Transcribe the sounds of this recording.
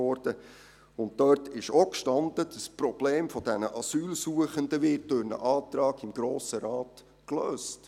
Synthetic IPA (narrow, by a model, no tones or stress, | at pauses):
ɔɾd̥ə | ʊnt̚dœːɾtɪʃokʃtɑnd̪əd̥əsprɔb̥leːmfɔd̥ænəʔɑsyːlsuəχənd̪əʋɪːtøɾnə̰ʔɑːt̪ɾɑːɡɪmɡ̥ɾoːsəɾɑːt | kløːst